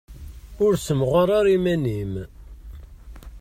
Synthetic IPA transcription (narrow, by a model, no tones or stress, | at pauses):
ʊɾsəmʁɑɾˤɑɾimænim